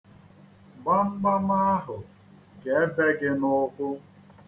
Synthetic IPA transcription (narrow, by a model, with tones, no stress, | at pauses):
ɡ͡ba˦ŋ͡m̩˦ɡ͡ba˦ma˦a˦ɦʊ˨ | ɡe˨e˦be˦ɡɪ˦nʊ˦kʷʊ˦